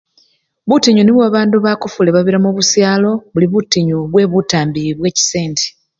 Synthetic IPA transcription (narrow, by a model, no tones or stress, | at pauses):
βutiɲuniβwaːβaːnduβakofuleβaβiɾamuβusjaːlo̞βuliβutiɲuβwe̞ːβutaːmbiiβwe̞ːci̥se̞ːntʰi̥